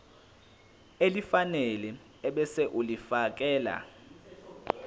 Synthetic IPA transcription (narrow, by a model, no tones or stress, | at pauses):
elifanɛlɛ | ɛɓɛsɛʔulifak̬ʼɛːla̰